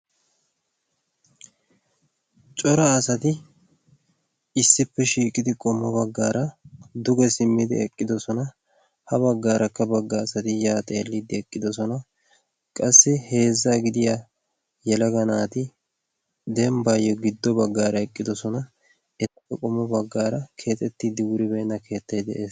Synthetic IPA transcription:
t͡ʃʼɔɾɐːsɐt̪ɪ | ɪsːɪpːɛʃiːkʼɪd̪ɪkʼɔmːɐbɐɡːaːɾɐd̪ʊɡɛsɪmːɪd̪ɪ̰ɛkʼːɪd̪ɔsɔnɐ | hɐbɐɡːaːɾʔɐkːɐbɐɡːɐːsɐt̪ɪjaːt̪ʼḛːlːid̪ɪɛkʼːɪd̪ɔsɔnɐ | kʼɐsːɪhe̞ːzːaɡɪd̪ɪja | jɛlɐɡɐnaːt̪ɪ | d̪ɛmbajːɔɡɪd̪ːɔbɐɡːaːɾɐɛkʼːɪd̪ɔsɔnɐ | ɛt̪ɐpːɛkʼɔmːɔbɐɡːaːɾɐkʰe̞ːt̪ʼɛt̪ːiːd̪ːɪwʊɾɪbɛːnːɐkʰe̞ːt̪ːɐjd̪ɛʔeːs

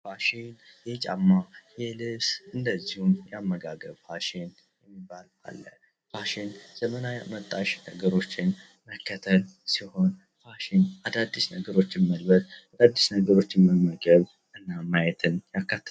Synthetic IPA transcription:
faʃinjɛt͡ʃʼa̰mːajɛlɨβsʔɨnd̪əzːihumjɛamːəɡaɡəβfaʃɪn | jɛmːibala̰lːə | faʃɪnz̥əmənajmət̪ʼːaʃnəɡəɾo̞t͡ʃːɪn | məkʰːət̪ʰəlsiho̞n | faʃɪnʔad̪ad̪ːisnəɡəɾo̞t͡ʃːɪmːəlbət̪ad̪ad̪ːisnəɡəɾo̞t͡ʃːɪməmːəɡəβ | ʔɨnːamajɛt̪ʰɨnjakːat̪ʰː

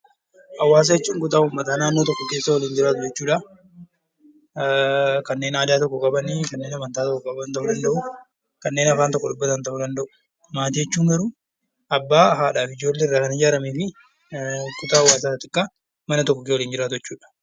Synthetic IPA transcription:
ʔɐwːaːs̬ɐjɛt͡ʃːuːŋkʊt̪aːʊmːɐt̪aːnaːnːoːt̪ɔkːɔkeːsːɐwɐliːnd͡ʒɪɾaːt̪ʊd͡ʒɛt͡ʃːuːᶑɐ | kɐnːe̞ːnaːd̪aːt̪ɔkːɔkʼɐbɐnikɐnːeːnɐmɐnt̪aːt̪ɔkːɔkʼɐbɐnt̪ɐʔʊd̪ɐndɐʔʊ | kɐnːe̞ːnɐfaːnt̪ɔkːɔɗʊbːɐt̪ɐnt̪ɐʔʊd̪ɐnd̪ɐʔʊ̥ | maːt̪iːjɛt͡ʃːuːŋɡɐɾʊ | ɐbːaːɦaːᶑaːfɪd͡ʒo̞ːlːɛɪrːaːkɐnɪd͡ʒaːɾɐmeːfɪ | kʊt̪aːɐwːaːsaːɐt̪ɪkːa | mɐnɐt̪ɔkːɔkewɔliːnd͡ʒɪɾaːt̪ʊɛt͡ʃːuːᶑɐ̥

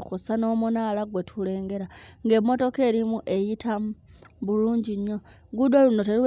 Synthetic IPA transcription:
xusano̞munalaɡwe̞tʰule̞ːŋɡe̞ɾaŋɡe̞mo̞to̞ke̞ːɾimuʔe̞jitʰamβuluːɲɟiɲo̞ɡudoluno̞teɾiw

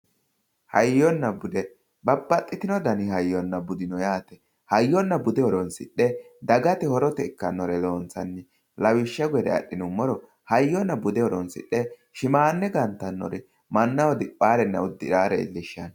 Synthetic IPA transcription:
hɐjːɔnːɐbʊd̪ɛ | bɐbːɐt̪ʼːɪt̪ɪnɔd̪ɐnɪhɐjːɔnːɐbʊd̪ɪnɔjaːt̪ɛ | hɐjːɔnːɐbʊd̪ɛɔɾɔnsɪ̰ɗːɛd̪ɐɡɐt̪ɪhɔɾɔt̪ɛɪkːɐnːɔɾɛlo̞ːnt͡sːɐnːɪ | lɐwɪʃːɛɡʊjɛd̪ɛ̰ɐ̰ɗːɪnʊmːɔɾɔ | hɐjːɔnːɐbʊd̪ɛhɔɾɔnsɪ̰ɗːɛ | ʃɪmaːnːɛɡɐnt̪ːɐnːɔ̰ɾɛ | mɐnːɐwɔd̪ɪpʼːaːɾɛnːɐ̰ʊd̪ːɪɾaːɾɛɪ̰lːɪʃːɐn

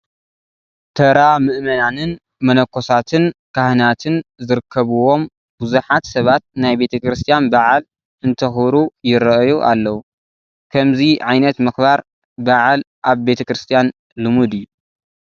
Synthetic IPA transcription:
t̪ʰɐɾamɨʔmɐnanɨn | mɐnɐkʰːo̞sat̪ʰɨnkahɨnat̪ʰɨnzɨɾɨkʰːɐβuwo̞m | b̥uzuħat̪sɐβat̪̚najbe̞t̪ʰɐkɾɨst̪ʰijanbaʕal | ɨnt̪ʰɐxbɾujɪɾɐʔjuʔa̰lːɐwu | kʰɐmziʕajnɐt̪mɨxbaɾ | baʕal | ʔaβbe̞t̪ʰɐkɾɨst̪ʰijan | lɨmud̪ɨjːu

